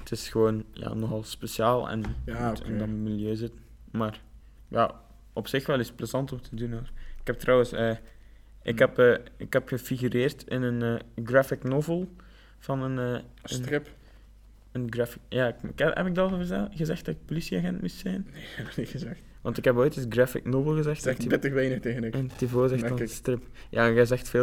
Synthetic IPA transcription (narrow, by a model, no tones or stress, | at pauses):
tʰɪsxəʋoːnja̰ːnɔxɑlˠspesjaːlˠɛ̰ntɛ̰ndɑnmɪlˠjøːzɪt | maːr | ja̰ | ɔpsɪxʋɛlˠɪspləzɑntɔmtʰədunoːrɪkɛp̚trɔwəsəː | ʔɪkɦɛpəːɪkhɛpxəfiɣyɾeːrtɪnənəːɡrafɪknɔvəlˠ | v̥ɑnənəːənrɪp | ənɡrafɪkjaːɪkɪkɛ̰pɪɡ̚dɑlˠvərzɛɣəzɛxt̚dɑtɪk̚polisiaɣɛntmustsɛniəzɛx | ʋɑntɪkɦɛpoːjtəsɡrafɪ̰knovəlˠɣəzɛxtɛxptəxʋɛjnəxteːɣənɪkəntivoːəzɛxtfɑnstrɪpja̰ːɣɛzɛxtfeː